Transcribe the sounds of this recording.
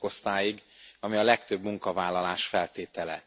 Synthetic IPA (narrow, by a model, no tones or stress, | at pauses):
o̞st̪aːjiɡɒmiɒlɛkt̪øbmuŋkɒvaːlːɒlaːʃfɛlt̪eːt̪ɛlɛ̰